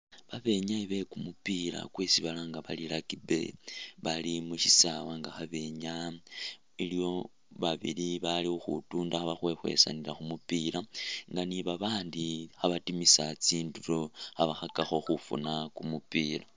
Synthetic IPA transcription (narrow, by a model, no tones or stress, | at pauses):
βaβe̞ɲaiβe̞kumupiɾa̰kwesiβalaŋɡaβalilakibe̞̰βalimuʃisawaŋɡaxaβe̞ɲa | ilio̞ | βaβḭliβaliuxṵtuːndaxaβaxwe̞xwe̞̰sa̰niɾaxumupiɾaŋɡaniβaβaːndixaβatimisat͡siːndutoaβaxakaxo̞xufṵnakumupiːla